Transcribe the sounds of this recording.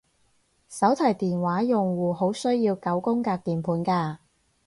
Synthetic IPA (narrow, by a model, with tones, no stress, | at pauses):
sɐ˨˥wt̪ʰɐ˨˩jt̪iː˨˩nwaː˨˥jʊ˨ŋwuː˨ho˨˥wsɵ˥ɥjiː˧wkɐ˨˥wkʊ˥ŋkaː˧k̚t̪iː˨npʰuː˨˥nkaː˧